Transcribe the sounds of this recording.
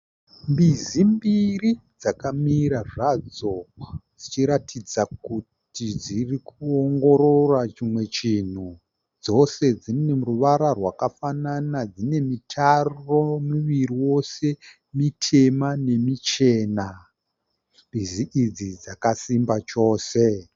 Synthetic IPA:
mbizimbirid͡zakamiɾaʐad͡zod͡zit͡ʃiɾatʰid͡zakutid͡zirikuoŋɡo̞ɾo̞rat͡ʃimwe̞t͡ʃin̤u | d͡zo̞se̞d͡zine̞ruʋaɾarwakafananad͡zine̞mitʰaromuʋiriwo̞se̞ | mitʰe̞mane̞mit͡ʃe̞ːna | mbiziʔid͡zid͡zakasimbat͡ʃo̞ːse̞

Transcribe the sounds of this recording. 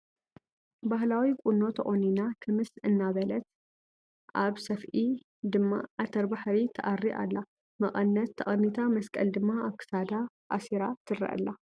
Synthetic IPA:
bahlawikʷʼuno̞t̪ʰɐʔʼoninakʰɨmɨsɨnːaβɐlɐt̪̚ | ʔaβsɐfʔi | d̪ɨmːa̰ʕat̪ʰɐɾbaħɾit̪ʰɐʔarːiʔa̰lːa | mɐχʼɐnːɐt̪ʰːɐχʼɐnːit̪ʰamɐskʼɐld̪ɨmːaaβkʰɨ̥sad̪a | ʔasiɾat̪ʰɨrɐ̰ʔɨ̰lːa

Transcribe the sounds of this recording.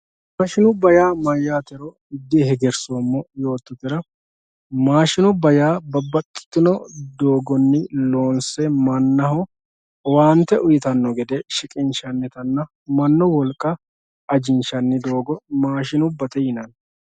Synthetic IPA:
maːʃɪnʊbɐjaːmɐjːaːt̪ɛɾɔ | ɪd̪ːɪhɛɡɛɾsomːɔjo̞ːt̪ːʊt̪ːɪɾɐ | maːʃɪnɔbɐjaːbɐbɐkʼːɪ̥t̪ːɪnɔd̪o̞ːɡɔnːɪlo̞ːnsɛmɐnːɐɦɔ | waːnt̪ːɛʔʊjɪt̪ɐnːɔɡɛd̪ɛʃɪkʼɪnʃɐnːɪt̪ɐnːɐ | mɐnːɔwɔlkʼːɐ | ɐd͡ʒɪnʃɐnːɪd̪o̞ːɡɔmaːʃɪnʊbːɐt̪ɛjɪnɐn

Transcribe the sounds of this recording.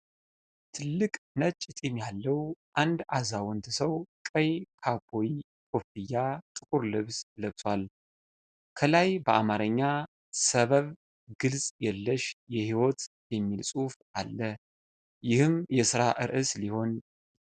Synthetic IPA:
t̪ʰɨlːɨkʼnət͡ʃʼːɪt̪ʼemjalːəwʔand̪ʔazawɔnt̪ɨsəwkʼəjkʰapʰo̞ji | kʰʼo̞fɨjːat̪ʼɨkʼuɾlɨβsləβt̪ʰwal | kʰəlajbəʔamaɾəɲːa | səβəβ | ɡɨlsʼjɛlːəʃjɛhiwot̪ | jɛmːilsʼufʔalːə | jɪhɨmjɛsɨɾaʔɨɾʔɨsliho̞n

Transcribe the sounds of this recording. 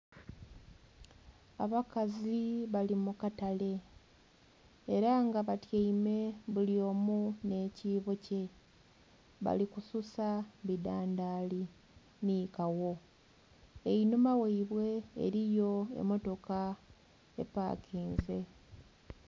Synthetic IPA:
aβakaziβalimukatale̞ | ɾaŋɡaβatjaime̞βulio̞ːmune̞ːciːβo̞ce̞ | βa̰likususaβidaːndaːli | nikawo̞ | einumaweiβwe̞̰ːɾijo̞e̞̰mo̞to̞ka | e̞̰pa̰ːkʰiːnze̞

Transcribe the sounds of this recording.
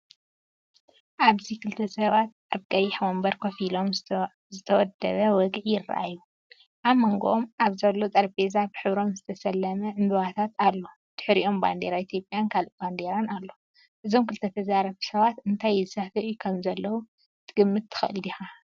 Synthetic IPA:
ʔaβzikʰɨlt̪ʰɐsʼɐβat̪̚ʔaβkʼɐjɪħwombɐɾkʰofilo̞m | zɨt̪ʰɐwɔd̪ɐ̰βɐwɔɡʕjɪrːa̰ʔa̰jːu | ʔaβmoŋɡoʔomaβzɐlːo̞t͡s̪ʼɐɾbezabɨħɨβɾo̞mzɨt̪ʰɐsɐlːɐmɐʕɨnd̪ɨβat̪ʰat̪alːo̞ | d̪̥ɨ̥ħɾiʔo̞mba̰nd̪eɾait̪ʰjo̞pʼjankʰaloʔband̪e̞ɾanalːo̞ | ʔɨzo̞mkʰɨlt̪ʰɐt̪ʰɐzaɾɐβsɐβat̪ɨnt̪ʰajzɨsɐfɨʔukʰɐmzɐlːɐwu | t̪ʰɨɡɨmːɨt̪ʰːɨ̥xʔɨljixa

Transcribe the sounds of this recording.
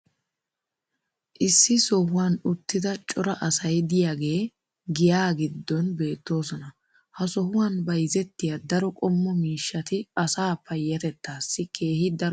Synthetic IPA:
ʔɪsːɪsɔhʊwanʊt̪ːɪd̪ɐt͡ʃʼɔɾɐʔɐsɐjd̪ɪjaːɡe̞ː | ɡɪjaːɡɪd̪ːɔnbe̞ːt̪ːo̞ːsɔnɐ | hɐsɔhʊwanbɐjzɛt̪ːɪjad̪ɐɾɔkʼɔmːɔmiːʃːɐt̪ɪɐsaːpɐjːɐt̪ɛt̪ːaːsːɪkʰe̞ːhɪd̪ɐɾ

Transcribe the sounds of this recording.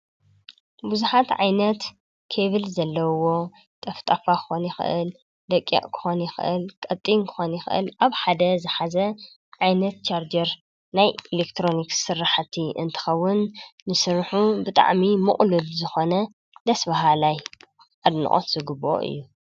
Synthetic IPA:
buzuħat̪ʕa̰jnɐt̪ | kʰeβɨlzɐlːɐwo̞ | t̪ʼɐft̪ʼafakʰɨ̥xonjɪxɨ̰ʔɨ̰l | d̪ɐkʼːḭʔʼkʰɨ̥xonjɪxɨ̰ʔɨ̰lkʼɐt̪ʼːinkʰɨ̥xo̞njɪxʔɨ̰lʔaβħad̪ɐzɨħazɐ | ʕajnɐt̪̚t͡ʃʰaɾd͡ʒɐɾ | najelekt̪ʰɾo̞niksɨɾːaħt̪ʰiʔɨ̰nt̪ʰɨ̥xɐwːʊnːɨsɨɾħubɨt̪ʼa̰ʕmimɨχʼlulzɨxo̞nɐ | d̪ɐsbaɦalaj | ʔad̪nɨ̰ʔʼo̰t̪z̥ɨɡɨbo̰ʔɨ̰jːu

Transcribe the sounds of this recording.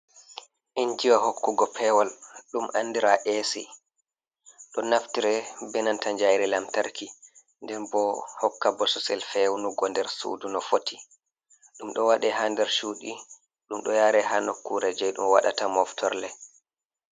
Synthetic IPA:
ʔiɲd͡ʒiwahokːuɡɔpʰɛwalɗumʔa̰nːdiɾaʔesḭ | ɗɔnaftiɾɛbɛnantaɲd͡ʒajɾɛlamtaɾki | ndɛɾbɔhɔkːabɔsusɛlfɛwnuɡɔndɛɾsṵdunɔfotʰi | ɗumɗɔwaɗɛɦandɛɾʃuːɗi | ɗumɗɔjaːɾɛhanokːuɾɛd͡ʒɛjɗumwa̰ɗatamɔftʰɔɾlɛ

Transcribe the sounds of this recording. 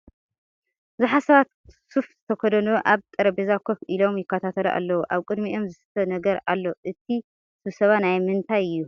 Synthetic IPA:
zɨħasɐβat̪ | sufzɨt̪ʰɐkʰod̪ɐnuʔaβt̪ʼɨɾɐbezakʰofʔilo̞mjɪkːɐt̪ʰat̪ʰɐlɐʔa̰lːɐwuʔaβkʼɨd̪miʔo̞mzɨsɨ̥t̪ʰɐnɐɡɐɾalːoʔɨt̪ʰi | sɨβsɐβanajmɨnt̪ʰajɨjːu

